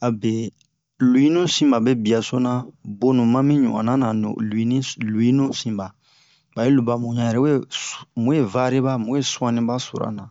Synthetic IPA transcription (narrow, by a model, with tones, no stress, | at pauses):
a˨be˨ | lu˨jĩ˦nũ˦sĩ˦ba˨bɛ˦bi˨a˨so˦na˦bo˦nũ˨mã˦mĩ˦ɲṵ˨ã̰˨na˦nã˨no̰˨lu˨i˦nĩ˦lu˨ji˦nũ˦sĩ˨ba˨ | b̥a˨je˦lu˨ba˨mũ˨ɲã˦jɾɛ˦u˦e˦mũ˦je˨va˦ɾi˦ba˦mũ˦je˦su˦ã˦nĩ˦ba˦so̰˨ɾa̰˦nã˨